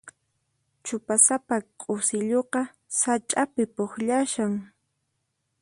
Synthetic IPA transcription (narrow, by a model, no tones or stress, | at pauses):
t͡ʃʊpasapaqʼʊsɪʎoqɑ | sat͡ʃʼapɪpoχʎaʃaŋ